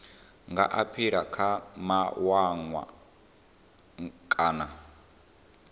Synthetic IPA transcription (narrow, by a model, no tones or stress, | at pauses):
ŋɡa̰ʔapʰiɺakʰamawaŋwa̰ | kʼaːna